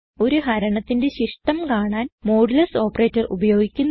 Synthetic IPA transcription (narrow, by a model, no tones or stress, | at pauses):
o̞ɾuɦɐɾɐɳɐt̪ːinde̞ɕiʂʈɐmkaːɳaːnmo̞ːɽilɐso̞ːpɐreːtːɐrṵbɐjo̞ːɡikʲːunː